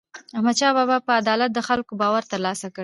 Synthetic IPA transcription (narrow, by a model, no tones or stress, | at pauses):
ahmad̪ʃɑbɑbɑpəad̪ɑlat̪̚d̪əxalkobɑwaɾt̪əɾlɑsakəɽ